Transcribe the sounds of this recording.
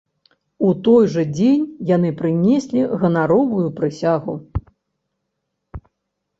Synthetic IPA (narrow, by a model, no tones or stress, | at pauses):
ut̪ɔjʐɐd͡zʲenʲjan̪ɨpɾɨnʲesʲlʲiɣɐnaɾɔvujupɾɨsʲaɣu